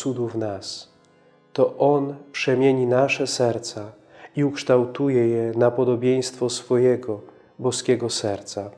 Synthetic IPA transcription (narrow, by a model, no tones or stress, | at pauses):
ud̪uvnas | t̪ɔʔɔnpʂɛmʲjeɲinaʂɛsɛɾt̪sa | iukʂt̪awt̪ujɛjɛnapɔd̪ɔbʲjej̃st̪fɔsfɔjɛɡɔ | bɔskʲɛɡɔsɛɾt̪sa